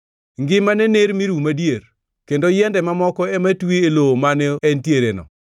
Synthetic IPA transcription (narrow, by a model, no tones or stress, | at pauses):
ŋɡɪmanɛneɾmiɾumadjer | kendojɛndɛmamɔkɔɛmatwielomanɛɛntjeɾenɔ̰